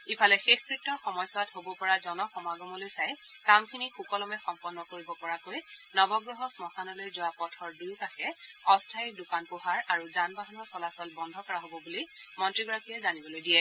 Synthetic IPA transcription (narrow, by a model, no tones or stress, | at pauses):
ipʰalɛxexkɹitːɔɹxɔmɔjsɔwatɦobɔpɔɹazɔnɔxɔmaɡɔmɔlojsaj | kamkʰinixukɔlɔmɛxɔmpɔnːɔkoɹibɔpɔɹakojnɔbɔɡɹɔɦɔsmɔxanɔlojzʊwapɔtʰɔɹdiwkaxɛɔstʰaj̚dukanpoɦaɹaɹuzanbaɦanɔɹsɔlasɔlbɔndʱɔkɔɹaɦobɔbulimɔntɹiɡɔɹakijɛzanibɔlojdijɛ